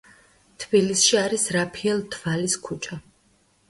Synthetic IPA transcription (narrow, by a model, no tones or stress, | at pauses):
t̪ʰbilisʃiaɾisɾapʰiɛlˠt̪ʰvaliskʰut͡ʃʰa